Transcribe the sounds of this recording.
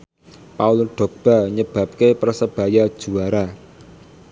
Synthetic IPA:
pauluɖ̥ɔ̤ɡ̚b̥a̤ɲəb̥ä̤p̚kepərəsəb̥a̤jad̥ʒ̥ṳwaɾa

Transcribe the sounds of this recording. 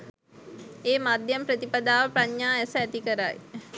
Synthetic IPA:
eːmad̪jampɾət̪ipad̪aːʋəpɾaɲːaːesəæt̪ikəɾa̰j

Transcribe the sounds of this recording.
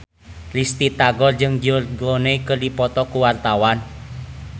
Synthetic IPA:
list̪it̪aɡɔrd͡ʒɨŋd͡ʒʊrɡoneikərdipɔt̪ɔkuwart̪awan

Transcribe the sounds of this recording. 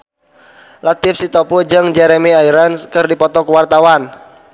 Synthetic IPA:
lat̪ɪfsit̪ɔpud͡ʒɨŋd͡ʒɛɾɛmiaiɾanskɨrdipɔt̪ɔkəwart̪awan

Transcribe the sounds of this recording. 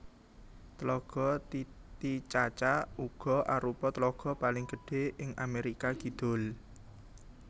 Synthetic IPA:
t̪lɔɡ̥ɔ̤t̪it͡ʃat͡ʃauɡ̥ɔ̤ʔaɾupɔt̪lɔɡ̥ɔ̤palɪŋɡ̥əɖ̥e̤ɪŋameɾikaɡ̥i̤d̪̥o̤l

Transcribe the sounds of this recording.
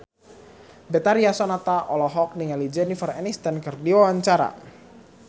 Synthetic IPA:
bɛt̪aɾiasɔnat̪aʔɔlɔɦɔk̚niŋalid͡ʒɛnifərɛnist̪ankɨrdiwawaɲt͡ʃaɾa̰

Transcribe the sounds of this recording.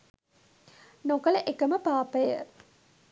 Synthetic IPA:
nokɐləʔekəməpaːpəjə̰

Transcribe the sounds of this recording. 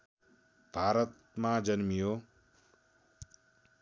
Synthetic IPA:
bʱaːɾʌt̪ | mãd͡ʒʌnmijo

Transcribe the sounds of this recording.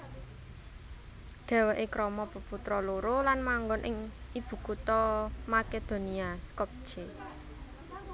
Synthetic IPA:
ɖ̪̥ɛ̤weʔekɾɔmɔb̥ə̤put̪ɾɔloɾolanmaŋɡʊnʔɪ̰ŋib̥ṳkut̪ɔmaked̪̥o̤niaskɔp̚d͡ʒ̥e

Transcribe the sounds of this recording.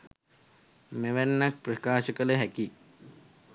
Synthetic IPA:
meʋænːak̚prəkaːʃəkələɦæki

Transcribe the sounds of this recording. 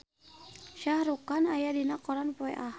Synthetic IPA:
ʃahɾukanajadinakɔɾanpɔɛ̰ʔah

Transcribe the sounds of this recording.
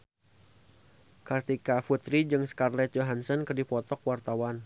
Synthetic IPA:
kat̪ikafut̪ɾid͡ʒɨŋskarlɛt̪̚joɦansənkərdipɔt̪ɔkwart̪awan

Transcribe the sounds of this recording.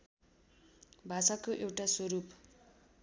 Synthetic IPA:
bʱasakoʔewʈaswʌɾup

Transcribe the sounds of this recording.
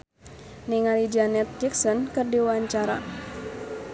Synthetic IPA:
niŋalid͡ʒanɛt̪̚d͡ʒik̚sɔnkɨrdiwaɲt͡ʃaɾa̰

